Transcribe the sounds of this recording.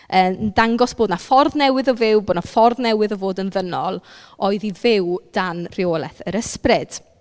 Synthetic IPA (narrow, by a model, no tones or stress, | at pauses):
əːndaŋɡɔsb̥oːdnafɔrðnɛwɪðɔvɪwboːdnafɔrðnɛwɨðɔvoːdənðənɔlˠ | oɨðivɪwd̥anr̥ɪolˠɛθəɾəsprɪd̥